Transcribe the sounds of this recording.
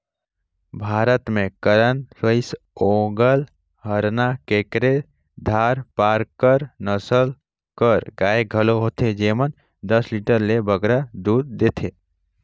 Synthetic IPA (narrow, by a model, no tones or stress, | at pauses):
bʱaɾət̪mẽkəɾənsəɪs | õɡəl | ɦəɾnakekɾe | d̪ʱaɾpaɾkəɾnəsəl | kəɾɡaːeɡʱəloɦot̪ʰed͡ʒemən | d̪əsliʈəɾlebəɡɾad̪ud̪̚ːet̪ʰe